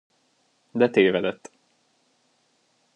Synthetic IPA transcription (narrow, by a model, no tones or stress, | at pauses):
d̪ɛt̪eːvɛd̪ɛt̪ː